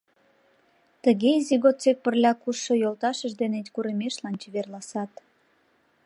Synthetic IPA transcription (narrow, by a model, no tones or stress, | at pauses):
t̪əɣeiziɣot͡sek̚pərlʲɑkuʃojolt̪ɑʃəʒd̪enet̪ʲkuɾemeʃlɑnt͡ɕeβerlɑsɑt̪